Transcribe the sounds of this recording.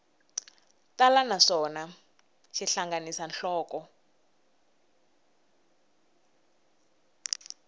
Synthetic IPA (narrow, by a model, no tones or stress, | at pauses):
talanaʂɔna | ʃiɬaŋɡanisanɬɔːkɔ